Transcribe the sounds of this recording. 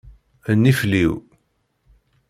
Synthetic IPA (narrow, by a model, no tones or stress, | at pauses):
ənːifliw